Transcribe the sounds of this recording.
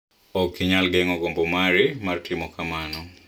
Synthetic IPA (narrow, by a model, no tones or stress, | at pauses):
ɔkiɲalɡɛŋɔɡombomaɾɪmartʰɪmɔkamanɔ